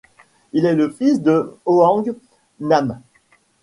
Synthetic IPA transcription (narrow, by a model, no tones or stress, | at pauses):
ilɛləfisd̪əoɑ̃ɡ | nam